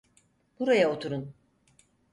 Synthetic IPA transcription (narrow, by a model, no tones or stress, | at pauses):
buɾajaot̪ʰuɾun